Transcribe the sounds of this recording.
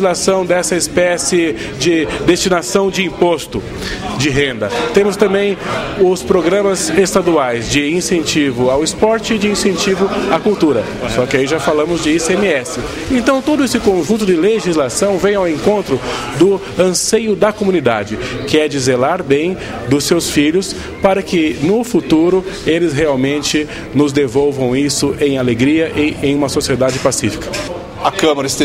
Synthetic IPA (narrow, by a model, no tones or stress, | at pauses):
zlasɐ̃w̃d̪ɛsɐɪspɛsɪ | d͡ʒɪd̪est͡ʃinasɐ̃w̃d͡ʒɪĩpost̪ʊ | d͡ʒɪɦẽnd̪ɐt̪ẽmʊst̪ɐ̃mbẽj̃ʊspɾoɡɾɐ̃mɐzest̪ad̪uajzd͡ʒɪĩsẽnt͡ʃivʊawɪspɔɾt͡ʃɪɪd͡ʒɪĩsẽnt͡ʃivʊakuwt̪uɾɐ | sɔkɪaiʒafalɐ̃mʊzd͡ʒɪisemɪɛsɪ | ẽt̪ɐ̃w̃t̪od̪ʊesɪkõʒũnt̪̬ʊd͡ʒɪleʒizlasɐ̃w̃vẽj̃awẽŋkõnt̪ɾʊ | d̪ʊ | ɐ̃sejʊd̪ɐkomũnid̪a̰d͡ʒɪkɪɛd͡ʒɪzelaɾbẽj̃ | d̪ʊsewsfiʎʊs | paɾɐkɪnʊfut̪uɾʊelɪzɦeawmẽnt͡ʃɪ | nʊzd̪evowvɐ̃w̃isʊʔẽj̃aleɡɾiɐʔɪʔẽj̃ũmɐsosied̪ad͡ʒɪpasifi̥kɐ̥ | ɐkɐ̃mɐɾɐɪs